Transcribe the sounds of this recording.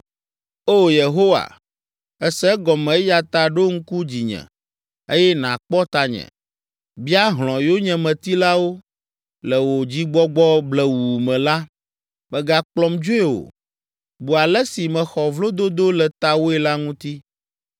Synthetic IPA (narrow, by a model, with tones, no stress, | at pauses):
o˦je˨ɦo˦wa̰˨ | ɛ˦sɛ˦ɡɔ˨mɛ̃˨˦ja˨t̪a˨ɖo˦ŋ̩˦ku˦d͡ʑi˨ɲɛ̰̃˨ | e˦jɛ˦nã˨k͡pɔ˦t̪a˨ɲɛ̰̃˨ | bi˦a˦ɦl̃ɔ̃˨jo˦ɲɛ̃˨mɛ̃˨t̪i˦la˦wo˦ | lɛ˨wo˨d͡ʑi˦ɡ͡bɔ˦ɡ͡bɔ˦blɛ˨wu˨mɛ̃˨la˦ | mɛ̃˨ɡa˨k͡plɔ˨md͡ʒo˦e˦wo̰˨ | bu˨a˨lɛ˦si˨mɛ̃˨xɔ˨vlo˦d̪o˦d̪o˦lɛ˨t̪a˦wo˦ɛ˨la˦ŋũ˦t̪i˦